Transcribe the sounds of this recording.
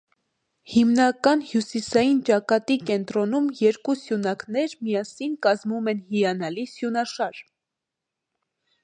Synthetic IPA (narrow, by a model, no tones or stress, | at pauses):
himnɑkɑnhjusisɑjint͡ʃɑkɑt̪ikɛnt̪ɾɔnumjɛɾkusjunɑknɛɾmijɑsinkɑzmumɛnhijɑnɑlisjunɑʃɑɾ